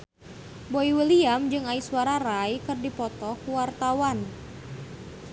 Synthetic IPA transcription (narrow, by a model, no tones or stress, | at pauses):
boiwiliamd͡ʒɨŋaisuwaɾaɾajkɨrdipɔt̪ɔkwart̪awan